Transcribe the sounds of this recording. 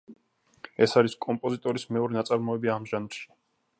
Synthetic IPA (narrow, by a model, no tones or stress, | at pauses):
ɛsaɾiskʼɔmpʼɔzit̪ʼɔɾismɛɔɾinat̪sʼaɾmɔɛbiaːmʒanɾʃi̥